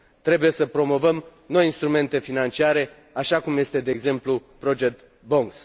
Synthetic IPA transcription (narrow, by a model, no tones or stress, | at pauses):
t̪ɾe̞buje̞səpɾo̞mo̞vəm | no̞jinst̪ɾume̞nt̪e̞finant͡ʃiaɾe̞ | aʃakumje̞st̪e̞d̪e̞ːɡze̞mplupɾo̞d͡ʒe̞k̚t̪ | bo̞ŋks